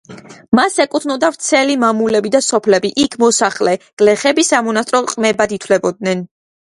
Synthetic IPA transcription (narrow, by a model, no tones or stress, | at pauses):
masɛkʼut̪ʰnɔd̪avɾt̪sʰɛlimamulɛbid̪asɔpʰlɛbiʔikʰmɔsaχlɛɡ̥lɛχɛbisamɔnast̪ʼɾɔqʼmɛbad̪it̪ʰlɛbɔd̪̚nɛn